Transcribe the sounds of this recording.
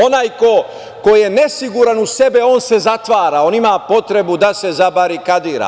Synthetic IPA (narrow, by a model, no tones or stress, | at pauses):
o̞naːjko̞ | ko̞jje̞ne̞siɡuɾanuse̞beo̞ːnse̞zat̪ʋaːɾaːo̞ːnimaːpo̞t̪ɾe̞bud̪ase̞zabaɾikad̪iːɾa̰ː